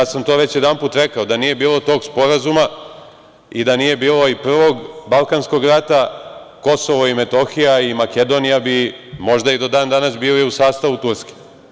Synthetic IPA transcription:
aːsamt̪o̞ːʋe̞t͡ɕjed̪anpuːt̪ɾe̞kaod̪aniːje̞biːlo̞t̪o̞ɡspo̞ɾazuma | id̪anije̞biːlo̞ipr̩ʋo̞ɡbalˠkansko̞ɡɾat̪a | ko̞so̞ʋoime̞t̪o̞xijaimaked̪o̞nijabi | mo̞ʒd̪aid̪o̞d̪aːnd̪anasbiːliusaːst̪aʋut̪uɾski̥

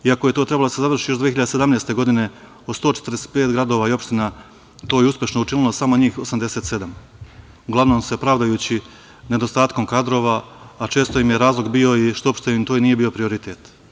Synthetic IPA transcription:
iakoje̞t̪oːt̪ɾebaloasezaʋr̩ʃijo̞ʃd̪ʋiehiʎad̪eseamnest̪e̞ɡo̞d̪ine̞ | od̪st̪o̞ːt͡ʃe̥t̪ɾd̪ese̥t̪̚pe̞ːt̪ɡɾad̪o̞ːʋaio̞pʃt̪ina | t̪oːjeuspʲje̞ʃnout͡ʃinilˠo̞samoɲiːxo̞samd̪eset̪se̞d̪am | uɡlˠaʋno̞ːmsepɾaːʋd̪ajuːt͡ɕi | ne̞d̪ost̪aːt̪ko̞mkaːd̪ɾo̞ːʋaːt͡ʃe̞ːst̪ojimjeɾaːzlˠo̞ɡbio̞iʃt̪oopʃt̪eimt̪oːiniːje̞bio̞pɾio̞ɾit̪e̞ːt̪

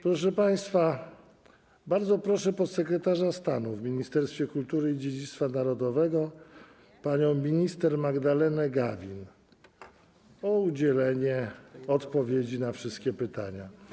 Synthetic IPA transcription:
pɾɔʂɛpaj̃st̪fa | baɾd̪zɔpɾɔʂɛpɔsɛkɾɛt̪aʐast̪anuvmʲiɲist̪ɛɾst̪fʲjɛkult̪uɾɘid͡ʑed͡ʑit̪st̪fanaɾɔd̪ɔvɛɡɔ | paɲɔ̃w̃mʲiɲist̪ɛɾmaɡd̪alɛnɛɡavʲin | ɔud͡ʑɛlɛɲɛɔt̪pɔvʲjed͡ʑinafʂɘst̪kʲɛpɘt̪a̰ɲa

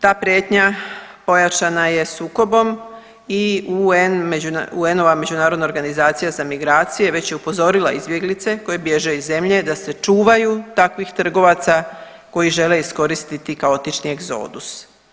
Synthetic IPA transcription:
t̪aːpɾʲje̞ːt̪ɲapo̞jat͡ʃanaje̞suːko̞bo̞m | iuenmeuueno̞ʋame̞d͡ʑunaːɾo̞d̪naoɾɡanizaːt̪sijazamiɡɾaːt̪sije̞ʋe̞t͡ɕje̞upo̞zo̞ɾilˠa̰izbje̞ɡlit̪se̞ko̞jebje̞ʒeize̞mʎe̞d̪ase̞t͡ʃuːʋajut̪akʋixt̪r̩ɡo̞ʋat̪sa | ko̞jiʒe̞le̞isko̞ɾist̪it̪ikaoo̞t̪it͡ʃnie̞ɡzo̞̰ːd̪us

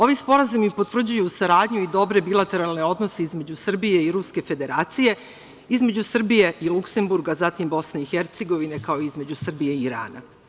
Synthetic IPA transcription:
o̞ʋispo̞ɾazumipot̪ʋr̩d͡ʑujuːsaɾaːd̪ɲuid̪o̞bɾe̞bilˠat̪e̞ɾalne̞o̞d̪no̞se̞izme̞d͡ʑusr̩bije̞iɾuske̞fe̞d̪e̞ɾaːt̪sije̞ | izme̞d͡ʑusr̩bije̞ilˠukse̞mbuɾɡazat̪imbo̞sne̞ixeɾt̪se̞ɡo̞ʋine̞kao̞iizme̞d͡ʑusr̩bije̞iːɾa̰ːna̰

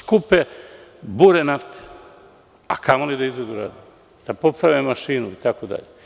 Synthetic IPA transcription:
kupebuɾenaft̪e̥ | a̰kamolid̪aizud̪uɾa̰d̪o | d̪̥apopɾaʋemaʃinuit̪akod̪a̰ʎe

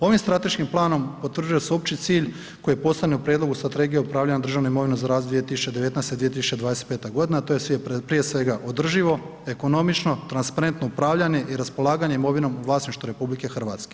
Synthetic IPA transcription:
o̞ʋimst̪ɾat̪e̞ʃkimplˠaːno̞mpo̞t̪ʋr̩d͡ʒujoseo̞pt͡ʃit̪siːʎ | ko̞jepo̞st̪aneupɾed̪lˠo̞ɡust̪ɾat̪e̞ɡijeupɾaːʋlʎaɲad̪r̩ʒaʋnoimo̞ʋinuzaɾaːzd̪ijet̪isut͡ʃt͡ɕed̪e̞ʋe̞t̪najst̪ed̪iet̪̬isut͡ʃe̞d̪ʋaːd̪ese̥t̪peːt̪aɡo̞d̪inat̪o̞jesʋiepɾije̞sʋe̞ɡaʔod̪r̩ʒiʋo̞ | e̞ko̞no̞mit͡ʃno̞t̪ɾanspaɾe̞nt̪noupɾaːʋʎaɲe̞ʔiɾaspo̞lˠaːɡaɲe̞imo̞ʋino̞muʋlaːsniʃt̪uɾe̞publike̞xrʋaːt̪ske

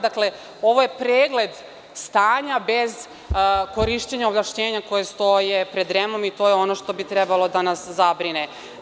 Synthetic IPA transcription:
d̪akle̞ | o̞ʋojepɾeːɡle̞d̪ | st̪aːɲabe̞z | ko̞ɾiʃt͡ɕeɲaoblˠaʃɲeːɲako̞jest̪ojepɾe̞d̪ɾemo̞mit̪o̞jeo̞noʃt̪o̞bit̪ɾɛbalo̞d̪anaszabɾine

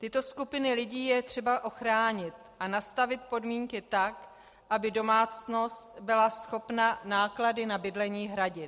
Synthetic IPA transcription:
t̪ɪt̪o̞skupɪnɪlɪɟiːjɛt̪r̝̥ɛbaʔo̞xɾaːɲɪt̪ʔanast̪avɪt̪̚po̞dmiːŋkɪt̪ak | ʔabɪdo̞maːt͡sno̞st̪bɪlasxo̞pnanaːkladɪnabɪdlɛɲiːɦɾaɟɪt̪

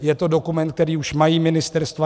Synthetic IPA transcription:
jɛt̪odokumɛnt̪k̚t̪ɛɾiːuʃmajiːmɪnɪst̪ɛɾst̪va

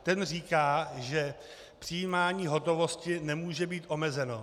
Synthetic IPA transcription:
t̪ɛnriːkaːʒɛ | pr̝̥ɪjiːmaːɲiːɦo̞t̪o̞vo̞scɪnɛmuːʒɛbiːt̪ʔo̞mɛzɛno̞

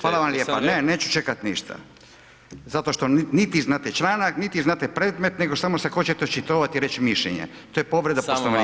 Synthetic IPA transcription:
xʋaːlˠaʋamljepanene̞ːt͡ɕu̥t͡ʃe̞kat̪nḭʃt̪a̰ | zat̪o̞ʃt̪o̞nnit̪iznat̪et͡ʃlˠaːnaknit̪iznat̪epɾeːd̪me̞t̪ne̞ɡo̞samosexo̞t͡ɕet̪eot͡ʃit̪oʋat̪iɾe̞t͡ɕmiʃʎḛɲḛ | t̪ojepo̞ʋɾed̪apoʃt̪oʋaɲ

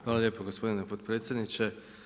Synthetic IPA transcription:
xʋalalje̞ːpoɡospo̞d̪inepod̪pɾeːt̪sʲjed̪nit͡ɕe̞

